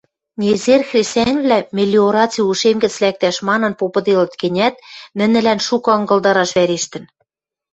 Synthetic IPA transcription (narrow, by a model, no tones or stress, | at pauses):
nʲezerxrʲesænʲβlæmʲelʲːioɾɑt͡siuʃemɡɘ̆t͡slæk̚t̪æʃmɑnɤ̆npopɤ̆d̪elɤ̆t̪kɘ̆nʲæt̪̚mɘ̆nɘ̆lænʃukɤ̆ɤ̆ŋɡɤ̆lˠd̪ɑɾɑʃβæɾeʃt̪ɘ̆n